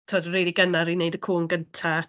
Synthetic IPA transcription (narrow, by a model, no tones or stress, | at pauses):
tʰoːdriliɡənaɾineɨdəkʰuːnɡəntʰa